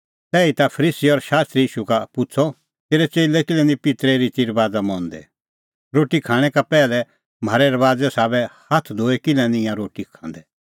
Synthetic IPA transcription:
t̪ɛːit̪apʰɐɾiːsiɔɾʃaːst̪ɾiiːʃukapʊt͡sʰɔ | t̪eːɾɛt͡ʃeːlɛkɪlɛ̃nĩpɪt̪ɾeɾit̪iɾbaːd͡zamɔ̃nd̪ɛ̰ | ɾoːʈikʰãːɽ̃ɛ̃kapɛːlɛ | m̤aːɾɛɾɐʋaːd͡zɛsaːbɛhɐt̪ʰd̪ʱoːɛkɪlɛ̃nĩjãɾoːʈikʰãːnd̪ɛ

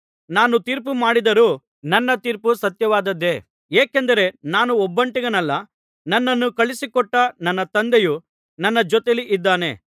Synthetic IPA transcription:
naːnut̪iːɾp̬umaːɽid̪ɐɾuː | nɐnːɐt̪iːɾpusɐt̪jɐʋaːd̪ɐd̪ːe̞ | eːkend̪ɐɾe̞naːnuɔbːɐɳʈiɡɐnɐlːɐ | nɐnːɐnːukɐɭisikɔʈːɐnɐnːɐt̪ɐnd̪eju | nɐnːɐd͡ʒɔt̪eliʔid̪ːaːne̞̰

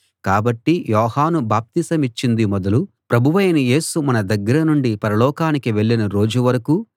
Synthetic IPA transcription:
kaːbɐʈːijɔːhaːnubaːp̚t̪isɐmit͡ʃːind̪imɔd̪ɐlu | pɾɐbʱuʋɐjɐnɐje̞ːsumɐnɐd̪ɐɡːɐɾɐnuɳɖipɐɾɐlɔːkaːnikiʋe̞ɭːinɐɾo̞ːd͡ʒuʋɐɾɐku

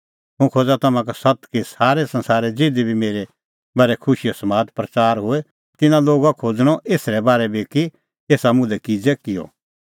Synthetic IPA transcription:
ɦʊ̃kʰoːd͡zat̪ɐmãkasɐt̪kesaːɾɛsɐ̃nsaːɾɛd͡zeːd̪ibʱimeːɾe | bɐɾɛkʰʊʃijosɐmaːd̪pɾɐt͡ʃaːɾɦʊe | t̪ɪnãloːɡakʰoːd͡zɽ̃ɔʔeːsɾɛbaːɾɛbeːki | eːsamʊ̃lɛkid͡zɛkɪjɔ̰

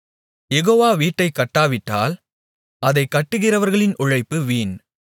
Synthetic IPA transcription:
jɛɣoːʋaːʋiːʈːɐɪkːɐʈːaːʋɪʈːa̰ːl | ɐðɐɪkːɐʈːɯɣɪrɐʋɐɾɣɐɭɪnʔʊɻɐɪpːɯʋiːn

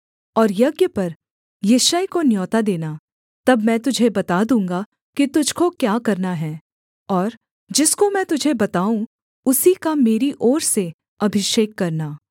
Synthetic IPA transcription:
ɔːɾjɐɡjəpɐɾ | jeːʃaːjkonjɔːt̪ad̪eːna | t̪ɐbmɛ̃ːt̪ʊd͡ʒʱebɐt̪ad̪ũːŋɡa | kit̪ʊd͡ʒʱkokjaːkɐɾnaɦɛː | ɔːɾ | d͡ʒɪskomɛ̃ːt̪ʊd͡ʒʱebɐt̪aːũ | ʊsikameːɾiʔɔːɾse | ɐbʱɪʃeːkːɐɾnaː

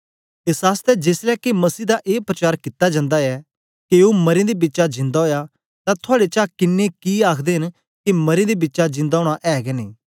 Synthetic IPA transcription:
ɪsaːst̪ɛd͡ʒeːslɛkimɐsiːd̪aʔeːpɾɐt͡ʃaːɾkɪt̪ːad͡ʒãːnd̪aɛ | keumɐɾẽd̪ibɪtːt͡ʃad͡ʒɪ̃nd̪aɦoːja | t̪ãt̪ʰʊaːɽet͡ʃakɪnːekiaːkʰd̪eːɦɪn | kimɐɾẽd̪ebɪtːt͡ʃad͡ʒɪ̃nd̪aoːɽ̃aʔɛːɡɛnĩː

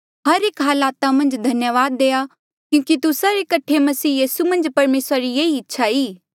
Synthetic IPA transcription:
ɦɐɾeːkɦaːlaːt̪amɐ̃nd͡ʒd̪ʱɐnjəʋaːd̪ːeːja | kjũːkit̪ʊsaɾekɐʈʰemɐsiːjiːsumɐ̃nd͡ʒpɐɾmeːsɾaɾijeːiɪtːʃʰaiː

